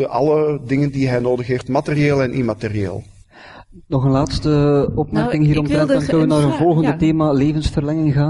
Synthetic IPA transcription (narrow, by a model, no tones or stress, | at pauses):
ʔɑ̰lədɪŋəndiɦɛjnoːdəxɦeftmaterieːlˠɛnʔimateriḛːlˠ | nɔxənlaːtstəɔpmɛrkɪŋɦiːɾɔmtɛdɑnkɵnəʋənaːɾənvɔlˠɣəndəteːmaːleːvənsfərlɛŋɪŋɣaːn